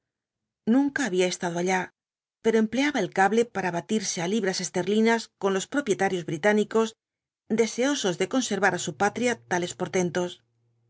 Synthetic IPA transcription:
nũŋkaːβ̞iae̞st̪aðo̞aʎa | pe̞ɾo̞emple̞aβaelkaβle̞paɾaβat̪iɾse̞aliβɾase̞st̪e̞ɾlinasko̞nlo̞spɾo̞pje̞t̪aɾjo̞zβɾit̪aniko̞z | d̪e̞se̞o̞so̞zðe̞ko̞nse̞ɾβaɾasupat̪ɾjat̪ale̞spo̞ɾt̪e̞nt̪o̞s

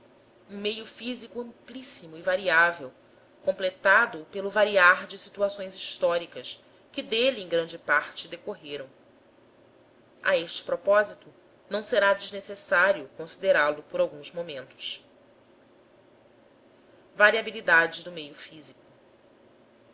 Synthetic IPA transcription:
ũmejʊfizikuɐ̃mplisimʊivaɾiavew | kõplet̪ad̪ʊpelʊvaɾiaɾd͡ʒɪsit̪uasõj̃ziʃt̪ɔɾikɐs | kɪd̪eliẽŋ̃ɡɾɐ̃nd͡ʒɪpaɾt͡ʃɪd̪ekoɦeɾɐ̃w̃ | a̰eʃt͡ʃɪ̥pɾopɔzit̪ʊ | nɐ̃w̃seɾad͡ʒɪʒnesesaɾiʊkõsid̪eɾalʊpoɾawɡũzmomẽnt̪ʊ̥ʃ | vaɾiabilid̪ad͡ʒɪd̪ʊmejʊfizikʊ̥

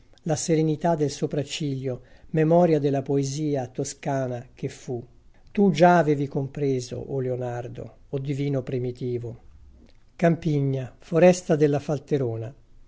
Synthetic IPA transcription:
laseɾenit̪ad̪ːelsopɾat͡ʃːiʎjomemɔːɾjad̪elːapoeziːat̪oskaːnak̟efːu | t̪ud͡ʒaːveːvikompɾeːzo̰ʔoleonard̪o̰ːd̪ːiviːnopɾimit̪iːvo | kampiɲːafoɾɛst̪ad̪elːafalt̪eɾoːna

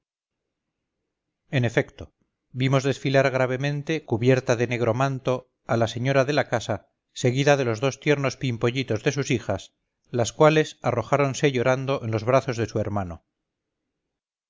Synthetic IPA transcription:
e̞ne̞fe̞kt̪o̞ | bimo̞zðe̞sfilaɾɣ̞ɾaβ̞e̞mẽ̞nt̪e̞kuβje̞ɾt̪aðe̞ne̞ɣ̞ɾo̞mãnt̪o̞ | alase̞ɲo̞ɾaðe̞lakasa | se̞ɣiðaðe̞lo̞zðost̪je̞ɾno̞spimpo̞ʎit̪o̞zðe̞s̬usixas | laskwale̞saro̞xaɾo̞nse̞ʝo̞ɾand̪o̞ʔe̞nlo̞zβ̞ɾaθo̞zðe̞sue̞ɾmano

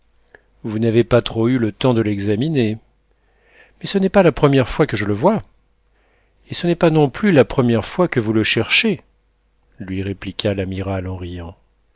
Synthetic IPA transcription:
vunavepat̪χoylət̪ɑ̃d̪əlɛɡzamine | mɛsənɛpalapχəmjɛʁfwakəʒələvwa | esənɛpanɔ̃plylapχəmjɛʁfwakəvuləʃɛʁʃe | lɥiʁeplikʰʲalamiʁalɑ̃ʁijɑ̃

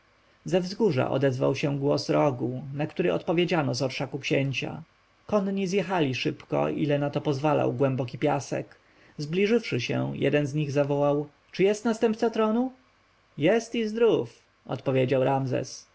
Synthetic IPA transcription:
zɛvzɡuʐa̰ʔɔ̰d̪ɛzva̰wɕɛ̃ɡwɔsɾɔɡunakt̪uɾɘʔɔ̰t̪pɔvʲjed͡ʑanɔzɔɾʂakukɕɛɲt͡ɕa̰ | kɔnɲizjɛxalʲiʂɘpkɔ̰ʔilɛnat̪ɔpɔzvala̰wɡwɛmbɔk̬ʲipʲjasɛ̰k | zblʲiʐɘfʂɘɕɛ̰jʔɛ̰d̪ɛnzɲiɣzavɔwaw | t͡ʂɘjɛst̪nast̪ɛmp̚t̪sat̪ɾɔnu | jɛst̪izd̪ɾuf | ɔ̰t̪pɔvʲjed͡ʑawɾamzɛ̰s

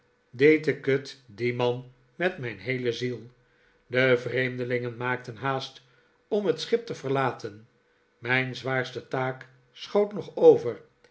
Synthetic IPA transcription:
dejtəkøtdimɑn | mɛtmɛjnɦejləzilˠ | dəvrejmdəlɪŋənmaːk̚tənɦaːst | ɔmɦətsχɪp̚təvəʁlaːtʰən | mɛjnzʋaːɹstətaːk | sχowtnɔχowvər

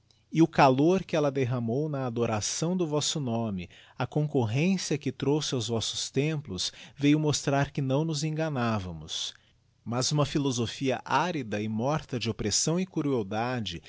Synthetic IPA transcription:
ɪʊkaloɾkɪɛlɐd̪eɦɐmownɐːd̪oɾasɐ̃w̃d̪ʊvɔsʊnõmɪɐkõŋkoɦẽsiɐkɪt̪ɾowsɪawzvɔsʊ̥st̪ẽplʊsvejʊmost̪ɾaɾkɪnɐ̃w̃nʊzẽŋɡɐnavɐmʊ̰s | mɐzũmɐfilozofiɐʔaɾid̪ɐɪmɔɾt̪ɐd͡ʒɪopɾesɐ̃w̃ɪkuɾuod̪ad͡ʒɪ

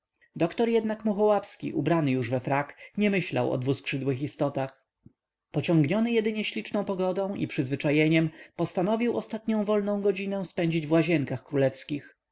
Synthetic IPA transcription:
d̪ɔkt̪ɔɾjɛd̪nakmuxɔwapskʲḭʔubɾanɘjuʐvɛfɾakɲɛmɘɕla̰wɔ̰d̪vuskʂɘd̪wɘxist̪ɔt̪ax | pɔt͡ɕɔŋɡɲɔnɘjɛd̪ɘɲɛɕlʲit͡ʂnɔ̃w̃pɔɡɔd̪ɔ̃w̃ʔḭpʂɘzvɘt͡ʂajɛɲɛmpɔst̪anɔvʲiwɔst̪at̪ɲɔ̃w̃vɔlnɔ̃w̃ɡɔd͡ʑinɛw̃spɛɲd͡ʑid͡ʑvwaʑɛŋkaxkɾulɛfskʲix

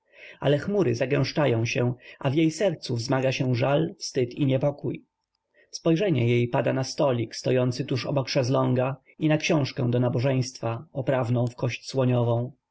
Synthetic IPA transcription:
a̰lɛxmuɾɘzaɡɛ̃w̃ʂt͡ʂajɔ̃w̃ɕɛʔa̰vjejsɛɾt̪suvzmaɡaɕɛ̃ʐalfst̪ɘt̪ʰiɲɛpɔkuj | spɔjʐɛɲɛjejpad̪anast̪ɔlʲikst̪ɔjɔnt̪sɘt̪uʂɔ̰bɔkʂɛzlɔŋɡa | inakɕɔ̃w̃ʂkɛ̃d̪ɔnabɔʐɛj̃st̪faɔpɾavnɔ̃w̃fkɔɕt͡ɕswɔɲɔvɔ̃w̃

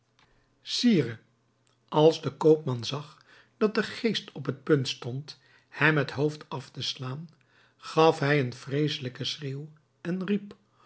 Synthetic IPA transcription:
siːrə | ʔɑlˠzdəkowp̚mɑnzɑχ | d̥ɑt̚dəχejstɔpɦət̚pɵntstɔnt | hɛmɦətɦowftɑftəslaːn | χɑfɦɛjənfrejsələkəsreːw | ɛnrip

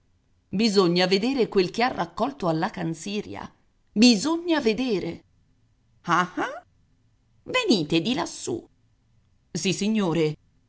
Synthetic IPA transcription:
bizoɲːaved̪eːɾekwelk̟earːakːɔlt̪oalːakansiːɾj̰a̰ | bizoɲːaved̪eːɾe | aha | veniːt̪ed̪ilasːṵ | sisːiɲːoːɾe

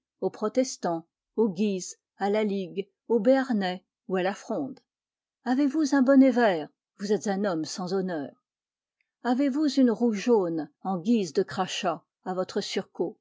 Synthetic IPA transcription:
opχɔt̪ɛst̪ɑ̃ | oɡʲiz | alaliɡ | obeaʁnɛ | ualafχɔ̃ːd̪ | avevuzɛ̃bɔnevɛːʁ | vuzɛt̪zɛ̃nɔmsɑ̃zɔnœːʁ | avevuzynʁuʒonɑ̃ɡʲizd̪əkχaʃaː | vɔt̪χəsyʁko

